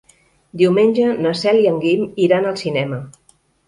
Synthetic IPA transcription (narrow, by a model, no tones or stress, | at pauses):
d̪iuwmenʲʒənəsɛliəŋɡimiɾanəlˠsinɛmə